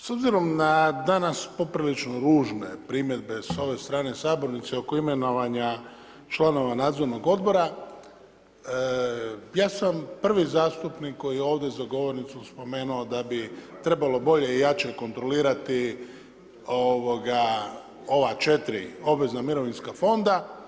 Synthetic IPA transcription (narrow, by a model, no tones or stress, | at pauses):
so̞bziɾo̞mnad̪anaspo̞pɾilit͡ʃnoɾuːʒne̞pɾimje̞d̪̚be̞so̞ʋe̞st̪ɾaːne̞saːbo̞ɾnit̪seo̞ko̞ime̞no̞ʋaɲa | t͡ʃlˠano̞ʋanaːd̪zoɾno̞ɡo̞d̪̚bo̞ɾa | jaːsampr̩ʋizaːst̪upnikːo̞jijeo̞ːʋd̪ezaɡo̞ʋo̞ɾnit̪suspo̞me̞ːnuod̪abit̪ɾe̞balobo̞ʎe̞ijat͡ʃeko̞nt̪ɾo̞liːɾat̪i | oʋo̞ɡa | o̞ʋat͡ʃet̪ɾio̞bʋe̞znamiɾo̞ʋinskafo̞nd̪a